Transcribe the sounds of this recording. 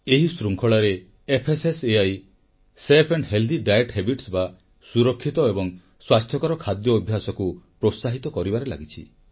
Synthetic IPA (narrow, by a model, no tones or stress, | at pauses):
eɦisɾuŋkʰɔɭaɾeː | pʰeseseaj | sepʰeɳɖɦeld̪iɖajeʈɦebiʈsba | suɾɔkʰːit̪ɔebɔŋ | swast̪ʰjɔkɔɾɔkʰad̪jɔːbʱjasɔkupɾosaɦit̪ɔkɔɾibaɾela̰ɡit͡ʃʰḭ